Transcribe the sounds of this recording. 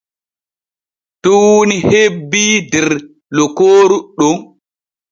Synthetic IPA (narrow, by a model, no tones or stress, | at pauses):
tuwnihebːidɛɾ | lɔkoːɾuɗɔn